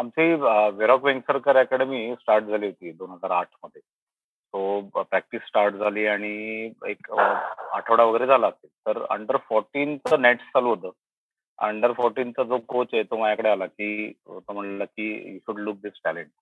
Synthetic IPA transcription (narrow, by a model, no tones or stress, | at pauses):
amt͡siːəʋeɾɔkʋẽŋksəɾkəɾakəɽemiːsʈaɾʈ̚d͡zʱaliːɦot̪iːd̪onɦəd͡zaɾaʈʰməd̪ʱje | t̪opɾæk̚ʈisːʈaɾʈd͡zʱaliːaɽ̃iḛk | a̰ʈʰəʋɽaʋəɡəɾeːd͡zʱalaːset̪əɾə̰ɳɖəɾfɔɾʈiːnt͡səneʈt͡salod̪ə | ə̰ɳɖəɾfɔɾʈiːnt͡səd͡zokot͡set̪omajakəɽealakiːt̪om̤əɳlləkiːjuɕuɖluk̚d̪isʈæleɳʈ̚